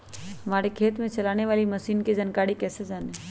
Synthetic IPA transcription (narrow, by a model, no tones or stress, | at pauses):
ɦɐmaːɾekʰeːt̪mẽt͡ʃɐlaːneʋaːlimɐsiːnkid͡ʒɐnkaːɽikɛːsed͡ʒaːne